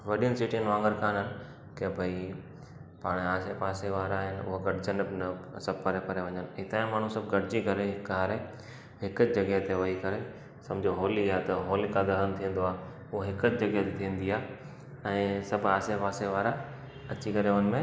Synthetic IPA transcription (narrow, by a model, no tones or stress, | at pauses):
ʋɐɗijənɪ̆sɪʈijənʋãːŋɡəɾkaːnɦənɪ̆ | kebʱɐi | paːɽ̃aːsepaːseʋaːɾaːɦɪnɪʊ̰ɦoɡɐʈɪd͡ʑənbɪnɐsɐb̚ʱpɐɾepɐɾeʋɐ̃ɲənɪɪk̚t̪aːɪ̃maːɳ̤ũsɐbʱɡɐʈɪd͡ʑikɐɾeɦɪkaːɾe | ɦɪkəd͡ʑd͡ʑɐɡet̪eʋɐɦikɐɾe | sɐ̃md͡ʑʱoɦoːliaːt̪ɐɦoːlikad̪ɐɦənt̪ʰĩə̃n̆d̪oaː | ʊɦoɦɪkəd͡ʑd͡ʑɐɡet̪et̪ʰiːə̃n̆d̪iaː | ɛ̃ːsɐbʱaːsepaːseʋaːɾa | ɐt͡ɕikɐɾeənɪ̆mẽ